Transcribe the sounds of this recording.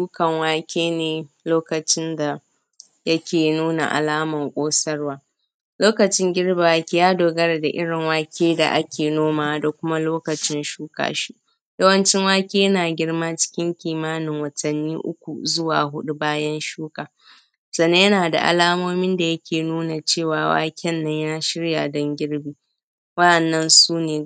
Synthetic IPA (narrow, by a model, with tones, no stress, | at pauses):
ʃuː˦kɐ˨ŋwaː˦kʲeː˦neː˨loː˦kɐ˨t͡ʃɪ˦nda˨ | jɐ˦kʲeː˨nuː˦na̰˨ʔa̰˨laː˦mɐ˨ŋkʷʼoː˦sɐ˦rwaː˦ | loː˦kɐ˨t͡ʃɪ˦ŋɡʲɪ˦ɽba˨waː˨˦kʲi˦jaː˦doː˨ɡɐ˦ɾa˨da˨ʔɪ˦ɽɪ˨ŋwaː˦kʲeː˦da˨ʔa˦kʲeː˨noː˦maː˨da˨kʷʊ˦ma˦loː˦kɐ˨t͡ʃɪ˦nʃuː˦ka̰ː˨ʃi˦ | jɐ˦wɐ˦nt͡ʃɪ˦ŋwaː˦kʲiː˦jɐ˦naː˨ɡʲɪ˦ɽmaː˦t͡ʃɪ̥˦kʲɪ˦ŋkʲiː˨maː˦nɪ˨ŋwɐ˨tʰɐ˨nːiː˦ʔʊ̰˦kʷu˨zʊ˦waː˨ɦʊ˦ɗu˦baː˦jɐ˦nʃuː˦kaː˨ | sɐ˨nːe˦jɐ˦naː˨da̰˨ʔa̰˨laː˦moː˦mɪ˦nda˨jɐ˦kʲeː˨nuː˦na˨t͡ʃeː˦˨waː˨wa̰ː˦kʲɛ˦nːɐ˦ɲjɐ˦na˨ʃɪ˦ɽja˨dɔ˦ŋɡʲɪ˦ɽbiː˨˦ | wɐ˦ɗɐ˨nːɐ˦nsuː˦neː˨